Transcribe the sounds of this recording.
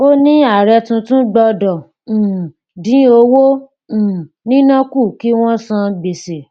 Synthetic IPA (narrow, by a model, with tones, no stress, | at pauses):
o˦nĩ˦a˦˨ɾɛ˧tũ˧tũ˦ɡ͡bɔ˧dɔ̃˨ | dĩ˨˦o˧wõ˦˨ | nĩ˦nã˦ku˦˨ki˦w̃ɔ̃˦sã˧bi˨se˨